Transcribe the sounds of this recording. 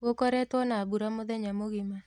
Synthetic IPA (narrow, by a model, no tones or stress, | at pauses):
wokɔɾɛtwɔnabuɾamɔðɛɲamoɣima